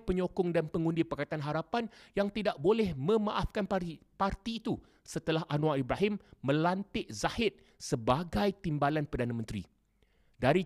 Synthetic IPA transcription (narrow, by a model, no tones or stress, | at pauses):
pəɲokʊŋdanpəŋũndipakat̪anɦaɾapanjaŋt̪idaʔ̚bolɛhmə̃mãʔafkanpart̪iːt̪u | sət̪əlahʔanw̃aibɾaɦɪmːə̃lant̪ɪʔzahɪt̪̚ | səbaɡajt̪imbalanpərdanãmə̃nt̪ɾḭ | daɾi